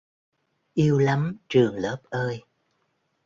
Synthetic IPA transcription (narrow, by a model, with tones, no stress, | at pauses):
ʔi˧əwla˨˦mt͡ɕɨ˨˩əŋləː˦˥p̚ʔəː˧j